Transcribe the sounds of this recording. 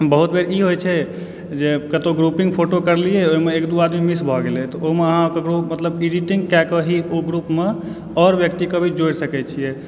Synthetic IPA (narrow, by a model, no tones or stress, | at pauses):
bəɦut̪̚beɾiɦojt͡ʃʰɛ | d͡ʒekət̪oɡɾupiŋɡpʰoʈokəɾlijɛoɦimeekd̪uad̪mimisbʱɔɡelɦɛt̪ɔomeəɦãkəkɾomət̪ləbiɾiʈiŋɡkjakɔɦioɡɾupme | ɔɾbjəkt̪ikəbʱid͡ʒoɾsəkɛt͡ʃʰijɛ